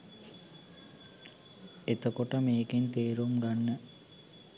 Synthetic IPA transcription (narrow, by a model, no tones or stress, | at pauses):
et̪əkoʈəmeːkent̪eːɾumɡanːə